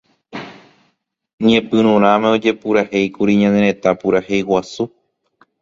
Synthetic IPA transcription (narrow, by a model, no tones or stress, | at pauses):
ɲĩẽpɨ̃ɾũɾ̃ãmẽo̞d͡ʒe̞puɾahe̞jkuɾiɲãneɾẽ̞t̪apuɾahe̞jwasu